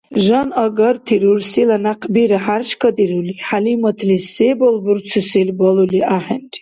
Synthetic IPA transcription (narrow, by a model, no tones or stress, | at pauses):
ʒɑnɔɡɔɾt̪ʰiɾuɾsilanaqʰbiɾaħaɾʃkʰɔd̪iɾuliħalimɔt̪ʰlisebɔlbuɾt͡sʰusilbɔluliʔaħɛnt